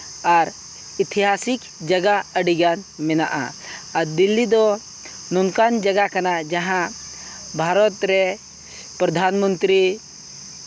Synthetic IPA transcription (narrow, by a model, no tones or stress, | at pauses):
aɾ | it̪ʰiɦasik | d͡ʒəɡaəɽiɡanmɛnaʔa̰aɾd̪ilːid̪ɔ | nunkand͡ʒɐɡakɐnad͡ʒɐɦã | bʱaɾɔt̪ɾɛ | pɾɐd̪ʱanmənt̪ɾi